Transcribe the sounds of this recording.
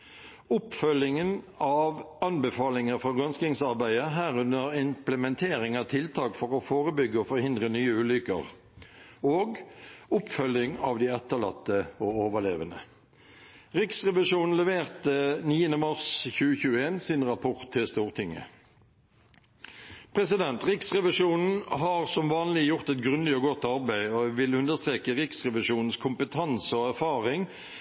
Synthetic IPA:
ʊpfœlɪŋən | ɑːʋɑnbəfɑːlɪŋəfɔɡœnskɪŋsɑʁbæɪəɦæːʁʉnəʁɪmpləmɛnt̪ʰeːʁɪŋɑt̪ʰɪlt̪ʰɑːkfɔʁofoːʁəbʏɡːəofɔʁhɪnd̪ʁənyːəʉːlʏkə̰ʁ | oːɡʊpfœlɪŋɑʋd̪iːɛt̪ːəʁlɑt̪ːəoːoːʋəʁleːʋənə̰ | ʁɪksʁɛʋɪʂuːnn̩lɛʋeːʁt̪əniːənəmɑʁsçʉːəçʉːəeːnsɪnʁɑpʰɔʁt̪ʰːɪlst̪uːʁt̪ʰɪŋːə̰ | pʰʁɛsɪd̪ɛnt̪ʁɪksʁɛʋɪʂuːnn̩ɦɑʁsɔmʋɑːnlɪjʊʁt̪ɛt̪ɡʁʉnlɪɔɡɔt̪ːɑʁbæɪɔʋɪlʉnd̪əst̪ʁeːkəʁɪksʁɛʋɪʂuːnn̩skʰʊmpət̪ʰɑnsəɔæʁfɑːʁɪŋ

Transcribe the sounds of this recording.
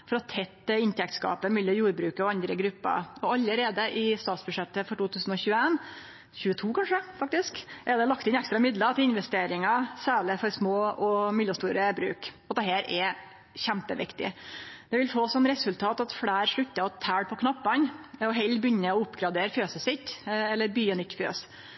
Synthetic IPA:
fɔɾɔt̪ʰɛt̪ːɪnt̪ʰɛk̚t̪skɑ̰ːpəmɛlːɔjuːɾbɾʉːkəɔɑnd̪ɾəɡɾʉpːɑ̰ɾɔɑlːəɾeːd̪əʔɪst̪ɑːt̪sbʉʂɛt̪ːəfɔʈuːt̪ʰʉːsən̩ɔçʉːəeːn | çʉːət̪ʰuːkʰɑnʂəfɑk̚t̪ɪskʔɛɾd̪ɛlɑkt̪ɪnækst̪ɾɑmɪd̪lət̪ʰɪlɪnʋɛst̪eːɾɪŋɑsæːɭɪfɔɾsmoːɔmɪlːəst̪uːɾəbɾʉ̰ːkɔt̪̚d̪ɛɦæːɾʔɛ | çæmpəʋɪ̰kt̪ɪ̰d̪ɛʋɪlfoːsɔnːɾɛsʉlt̪ʰɑːt̪ɑt̪fɽæːɾʂɭʉt̪ːəɔt̪ʰːæːɽpʰɔkʰnɑpːɑnɔɦɛlːbʏnːəɔʊpːɡɾɑd̪eːɾføːsəsɪt̪ːɛlːəɾbyːənʏt̪ːfø̰ːs

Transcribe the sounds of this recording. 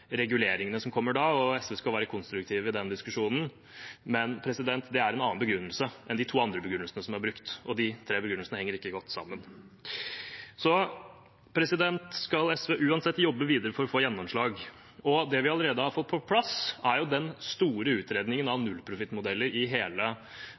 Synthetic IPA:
ɾɛɡʉleːɾɪŋənəsɔmkʰɔmːəɖɑɔɛsʋeːskɑlʋæːɾəkʰʊnst̪ɾʉkt̪ʰiːʋɪd̪ɛnd̪ɪskʉʂuːnən̩ | mɛnpʰɾɛsɪd̪ɛnt̪d̪ɛæɾɛnɑːnbəɡɾʉnːəlsəʔɛnd̪ɪt̪ʰuːɑnd̪ɾəbəɡɾʉnəlsənəsɔmæɾbɾʉkt̪ɔd̪ɪt̪ʰɾeːbəɡɾʉnəlsənəhɛŋːəɾɪkːəɡɔt̪ːsɑ̰mːən | sɔ | pʰɾɛsɪd̪ɛnt̪skɑlɛsʋeːʔʉːɑnsɛt̪ːjɔbːəʋiːd̪əɾəfɔɾɔfoːjɛnːɔmʂɭɑːɡ | ɔd̪ɛʋɪɑləɾeːd̪əhɑɾfɔt̪̚ːpʰɔpʰlɑsæɾjʊd̪ɛnst̪uːɾəʉːt̪ɾeːd̪nɪŋənɑʋnʉlːpʰɾʊfɪt̪ːmʊd̪ɛlːəɾɪɦeːlə

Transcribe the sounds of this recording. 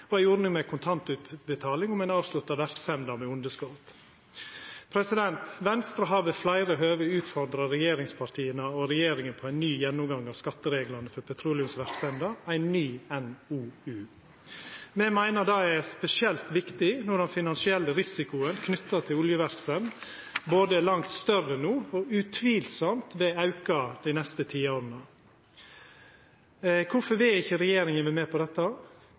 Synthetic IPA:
ɔæɪjuːɾənɪŋmɛkʰʊnt̪ʰɑnt̪ʉːt̪bət̪ʰɑːlɪŋʊmæɪnɑːʋslʉt̪ːɑʋæɾksɛnd̪əɾmɛʊnd̪əskɔt̪ | pʰɾɛsɪd̪ɛnt̪ʋɛnst̪ɾəɦɑːʋəflæɪɾəɦøːʋəʉːt̪fɔɾd̪ɾɑɾɛjeːɾɪŋspʰɑʈʰiːənəɔɾɛjeːɾɪŋənpʰɔæɪnːyːjɛnːʊmɡɑŋːɑːʋskɑt̪ːəɾeːɡlɑɾnəfɔɾpʰɛt̪ʰɾuːlɪʉmsʋæɾksɛnd̪əæɪnːyːɛnuːʉː | mɛmæɪnəd̪ɑːɛɾspɛsɪɛlt̪ʋɪkt̪ɪnɔɖ̪ɛnfɪnɑnsɪɛlːəɾɪsɪkʊənkʰnʏt̪ːət̪ʰɪlʊljəʋæɾksən | boːd̪əlɑŋt̪st̪œrənuːɔʉt̪ʰʋiːlsɔmt̪ʋɛɑʉkɑd̪ɪnɛst̪ət̪ʰiːoːɾənə | kʰʊfɔɾʋɪɪçːəɾɛjeːɾɪŋənʋɛmɛpʰɔd̪ɛt̪ːɑ

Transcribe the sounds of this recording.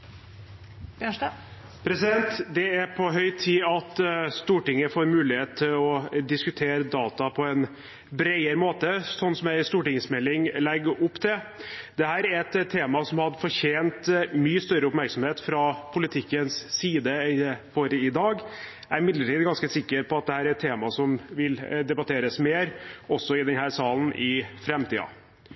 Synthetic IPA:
pʰɾɛsɪd̪ɛnt̪d̪ɛæɾpʰɔɦœʏt̪ʰiːɑt̪st̪uːʈɪŋːəfoːɾmʉːlɪheːt̪̚t̪ʰːɪlɔd̪ɪskʉt̪ʰeːɾəd̪ɑːt̪ɑpʰɔɛn | bɾæɪəɾəmoːt̪əsɔnːsɔmæɪst̪uːʈɪŋsmɛlːɪŋlɛɡːʊpːt̪ʰɛd̪̥ɛhæːɾæɾɛt̪t̪ʰːeːmɑsɔmhɑd̪fɔɾçeːnt̪myːəst̪œɾəʊpmæɾksɔm̩heːt̪fɾɑpʰʊlɪt̪ʰɪkːənsːiːd̪əfoːɾəɪd̪ɑːɡ | æɾɪmɪd̪ləʈiːd̪əɡɑnskəsɪkːəɾpʰɔɑt̪̚d̪ɛhæːɾæɛt̪ʰːeːmɑsɔmʋɪld̪ɛbɑt̪ʰeːɾəsmeːɾɔsːɔɪd̪ɛnhæːɾsɑːlnʔɪfɾɛmt̪iːɑ̰

